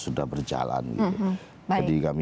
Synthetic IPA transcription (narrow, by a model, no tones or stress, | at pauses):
sudahbərd͡ʒa̰la̰nɡit̪u | d͡ʒadikami